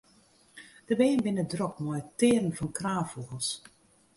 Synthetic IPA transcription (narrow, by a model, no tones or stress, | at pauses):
d̥əbeːənbɪnədrɔkmɔjtɪːərən̩fɔnkraːfuɣəlˠs